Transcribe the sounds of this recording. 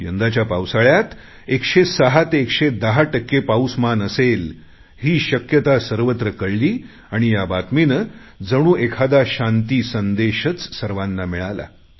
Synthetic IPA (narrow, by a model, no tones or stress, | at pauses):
jənd̪at͡ɕjapawsaɭjat̪ | ekɕesəɦat̪eːkɕed̪əɦaʈəkːepawsmanəsel | hiːɕəkjət̪asəɾʋət̪ɾəkəɽliː | aɽ̃ijabat̪minəd͡zəɽ̃ũːʔekʰad̪aɕant̪iːsənd̪eɕət͡ssəɾʋãnːamiɭala̰